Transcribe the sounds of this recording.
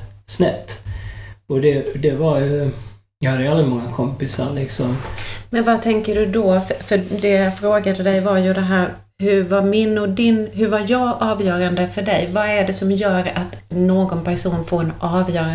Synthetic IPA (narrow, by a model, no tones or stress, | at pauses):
snɛt̪ː | ɔd̪ɛd̪ɛvaɾj | jahad̪ːəjalːəmɔŋːakʰɔmpɪsaɾlɪksɔmmɛnvat̪ʰɛŋkəɖɵd̪ɔfœd̪ɛjafɾoːɡad̪əd̪ɛjvaɾjɵd̪ɛɦæːɾ | hɵɾvaɾmɪnːɔd̪ɪnɦɵɾvaɾjɑːɡʔɑːvjœːɾand̪əfœɖɛjvaæɖɛsɔmjœːɾat̪noːɡɔnpæʂuːnfoːɾɛnʔɑːvjœːɾa